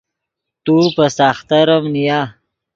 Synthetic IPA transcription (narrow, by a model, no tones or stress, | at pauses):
t̪upəsaːxt̪aɾəmnija